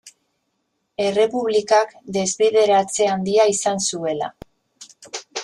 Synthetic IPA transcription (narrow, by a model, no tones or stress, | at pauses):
e̞re̞puβ̞likakd̪e̞zβeðe̞ɾat͡se̞and̪iaisansue̞la̰